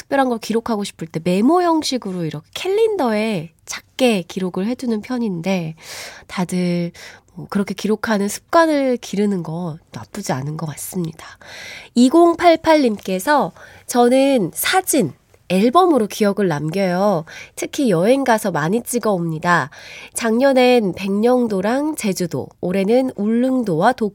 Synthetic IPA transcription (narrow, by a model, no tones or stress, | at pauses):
tʰɯ̥k̚p͈jʌɾɦanɡʌɭkiɾokʰaɡoɕʰi̥pʰɯɭt͈e̞me̞mojʌŋɕʰiɡɯɾoiɾʌkʰe̞̥kʰe̞ʎːindʌe̞ | t͡ɕʰak̚k͈e̞kiɾoɡɯɭɦe̞d͡ʑunɯnpʰjʌɲinde̞tadɯmʌkɯɾʌkʰe̞kiɾokʰanɯnsʰɯ̥p̚k͈wanɯɭkiɾɯnɯnɡʌnap͈ud͡ʑianɯnɡʌkas͈ɯmɲidḁiɡoŋpʰaɭpʰaʎːimk͈e̞sʰʌ | t͡ɕʌnɯnsʰad͡ʑin | e̞ɭbʌmɯɾokijʌɡɯɭnamɡjʌjotʰɯkʰijʌe̞ŋɡasʰʌmaɲit͡ɕ͈iɡaomɲidat͡ɕaŋɲʌne̞npe̞ŋɲʌŋdoɾaŋt͡ɕe̞d͡ʑudo̰oɾe̞nɯnuɭːɯŋdowato